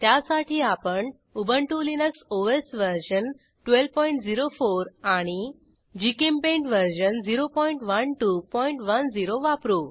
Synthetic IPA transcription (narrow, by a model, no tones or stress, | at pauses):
t̪jasaʈʰiːapəɳ | ubəɳʈulinəksoesʋəɾɕən | ʈʋelpɔiɳʈd͡ziɾofoɾaɽ̃i | d͡ʑikimpẽɳʈʋəɾɕənd͡ziɾopɔiɳʈʋənʈupɔiɳʈʋənd͡ziɾoʋapɾu